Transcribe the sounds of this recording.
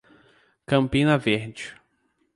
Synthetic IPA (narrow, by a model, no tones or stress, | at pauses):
kɐ̃mpĩnɐveɾd͡ʒɪ